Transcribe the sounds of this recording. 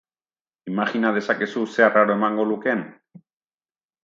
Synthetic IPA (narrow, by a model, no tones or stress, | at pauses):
imaxinað̞e̞sake̞suse̞araɾo̞e̞maŋɡo̞luke̞n